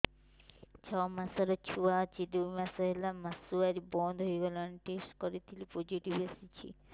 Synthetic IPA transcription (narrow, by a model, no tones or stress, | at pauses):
t͡ʃʰɔmasaɾɔt͡ʃʰuwat͡ʃid̪ubmasaɦelamɐsuaɾibɔnd̪ɦojɡɔlɔniʈesʈkɔɾit̪ʰilipod͡ʒiʈibasit͡ʃʰḭ